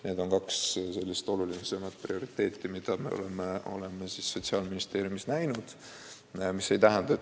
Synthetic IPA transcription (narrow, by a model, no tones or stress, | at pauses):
ne̞ːd̪̥o̞ŋkɑksse̞lːist̪o̞lulinesemɑt̪̚prio̞ɾit̪ːˑe̞ːt̪ːˑimid̪̥ɑme̞̰o̰lemeo̞̰lemːesisːo̞t̪ʲsiɑːlminist̪e̞ːɾjumisnæjnud̪̥ | mise̞jt̪æɦænd̪̥ɑ